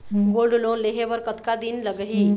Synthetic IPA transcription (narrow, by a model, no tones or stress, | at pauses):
ɡolɖlonleɦebəɾkət̪kad̪inləɡəɦi